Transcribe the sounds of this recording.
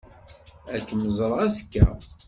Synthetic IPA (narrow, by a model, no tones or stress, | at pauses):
ækːməzˤɾˤæskːæ̰